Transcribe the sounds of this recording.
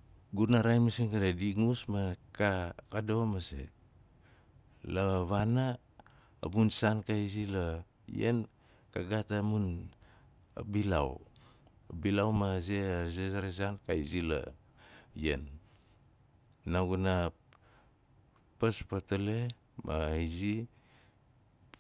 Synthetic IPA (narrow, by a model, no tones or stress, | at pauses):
ɡunaɾajmasinkadadiŋusmakakado̞masḛ | laβana̰ː | bunsankaizila | jḛn | kaɡatamun | a̰bila̰w | bilawmazezesaɾes̬ankaizila̰ | jḛn | aɡuna | paspatole̞ | ma̰hizi